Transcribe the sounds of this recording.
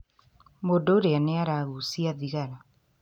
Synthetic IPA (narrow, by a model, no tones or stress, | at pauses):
modoɾeaneaɾaɣusiaðiɣaɾa